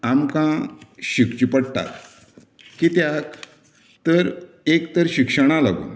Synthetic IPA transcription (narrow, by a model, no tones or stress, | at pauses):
amkãɕikt͡ɕipəɽʈa̰ɾ | kit̪jak | t̪əɾ | ekt̪əɾɕikʂəɽ̃ala̰ɡo̰